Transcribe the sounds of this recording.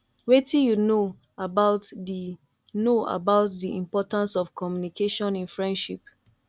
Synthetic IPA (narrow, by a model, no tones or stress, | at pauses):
wetĩjuno | abaʊtdi | noa̰baʊtdiḭ̃mpɔtãnsɔfkʰɔmjunikʰeʃɔ̃nĩnfɹɛ̃ndʃip̚